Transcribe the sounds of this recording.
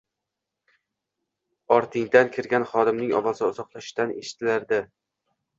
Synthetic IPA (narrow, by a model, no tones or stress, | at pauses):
ɒɾt̪ʰɪŋd̪ankʲʰɪɾɡʲanχɒd̪ɪmnɪŋɒ̰vɒzɪʊzɒqlˠaʃt̪aneʃɪ̥t̪ʰɪlaɾd̪ɪ